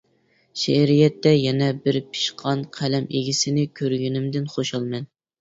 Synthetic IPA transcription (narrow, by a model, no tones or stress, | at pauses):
ʃɛɾijɛt̪ːɛjɛnɛbɪɾpʰi̥ʃqʰɑnqʰælɛmeɡʲisɪnɪkʲʰøɾɡʲynɪmd̪ɪnχoʃɑlˠmɛn